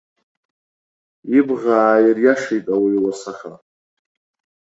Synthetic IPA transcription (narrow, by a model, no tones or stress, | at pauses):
ibʁaːjɪrjaʂejtʼawiwasaχa